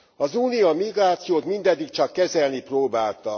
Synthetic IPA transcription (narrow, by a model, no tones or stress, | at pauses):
ɒzuːnijɒmiɡraːt̪sijoːt̪mind̪ɛd̪ːik̚t͡ʃɒkːɛzɛlniproːbaːlt̪ɒ